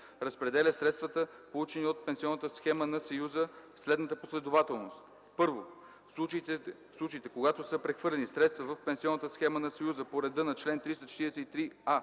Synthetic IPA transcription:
ɾəspɾɛd̪ɛlʲəsɾɛt̪st̪vət̪əpolˠut͡ʃɛniot̪̚pɛnsiɔnːət̪əsxɛmənɐsɐjuzəfslɛd̪nət̪əposlɛd̪ovat̪ɛlˠnost̪ | pɤɾvo | ufslˠut͡ʃəit̪ɛkoɡat̪osəpɾɛxvɤɾlɛnisɾɛt̪st̪vəvəfpɛnsiɔnːət̪əsxɛmənɐsɐjuzəpoɾɛd̪ənɐt͡ʃlɛnt̪ɾist̪ɐt͡ʃɛ̥t̪iɾɛsɛt̪it̪ɾia

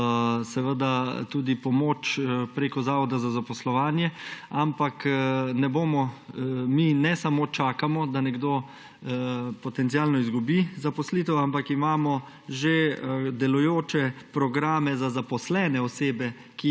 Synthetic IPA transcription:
sɛʋəd̪at̪uːd̪ipɔmoːt͡ʃpɾeːkɔzaːʋɔd̪azazapɔslɔʋaːnjɛampaknɛboːmɔminɛsamot͡ʃaːkamɔd̪anɛɡd̪oː | pɔt̪ɛnt̪sijaːlnɔizɡubizapɔslit̪ɛwampakimaːmɔ | ʒed̪ɛlujoːt͡ʃɛpɾɔɡɾaːmɛzazapɔslɛːnɛɔseːbɛ | ki

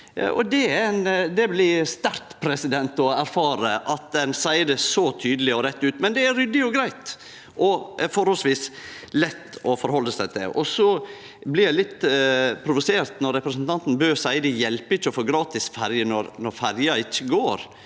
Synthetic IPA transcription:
ʔɔd̪ɛæɾnd̪ɛblɪst̪æɾt̪pʰɾɛsɪd̪ɛnt̪ɔæɾfɑːɾəʔɑt̪̚d̪ɛnsæɪəd̪əsɔt̪ʰyːd̪əlɪɔɾɛt̪ːʉːt̪mɛnd̪ɛæɾʏd̪ɪɔɡɾæɪt̪ | ʔɔfɔɾhɔlsʋiːs | lɛt̪ːɔfɔɾhɔlːəsæɪt̪d̪ɛ̰ʔɔsɔ | blɪɾjæɪlɪt̪ːpʰɾʊʋʊseːɾt̪nɔɾːɛpɾəsnt̪ʰɑnt̪n̩bøːɾsæɪəd̪ɛjɛlpəɪçːəɔfoːɡɾɑːt̪ɪsfæɾjənɔɾnɔɾfæɾjɑɪçːəɡoːɾ

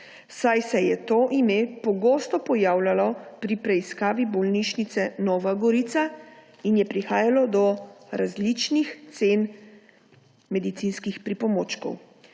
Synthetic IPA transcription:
sajsɛjɛt̪oːʔimepɔɡost̪ɔpɔjaːwlalɔpɾipɾɛiskaːʋibɔlniʃnit̪sɛnɔːʋaɡɔɾit̪sa | injɛpɾixaːjalɔd̪ɔɾazlit͡ʃnixt̪sen | mɛd̪it̪sinskixpɾipɔmoːt͡ʃkɔ̰w

